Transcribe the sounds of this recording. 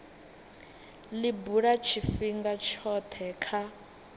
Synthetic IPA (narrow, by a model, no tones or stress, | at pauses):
libuɺat͡ʃʰifiŋɡat͡ʃʰɔt̪ʰɛkʰa